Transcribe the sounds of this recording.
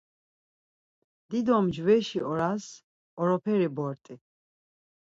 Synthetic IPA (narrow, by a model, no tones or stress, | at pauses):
d̪̥id̪ɔmd͡ʒwɛʃiɔɾas | ɔɾɔpʰɛɾibɔɾt̪ʼi